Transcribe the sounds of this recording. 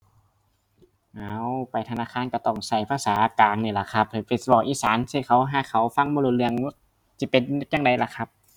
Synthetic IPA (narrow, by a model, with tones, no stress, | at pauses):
ʔaː˧˩wpa˨jt̪ʰa˧naː˧˥˨kʰaː˧˥˨nkɔ˧˩t̪ɔː˧˩ŋsa˧˩jpʰaː˧˨saː˨˦ʔa˧˩kaː˨ŋniː˧˩la˨˧˩kʰa˧˥p̚ha˧˩fe˧˩sbɔː˧˩k̚ʔiː˧˨saː˨˦nsi˧˩kʰa˧˦wɦaː˧˩kʰa˧˦wfa˧˥˨ŋmɔː˧luː˧˩lɯ˧əŋ̚˧˥ | si˧˦˩pe˧˨n̚˧˥˩jaː˧˨ŋda˨˧jla˧kʰa˧˥p̚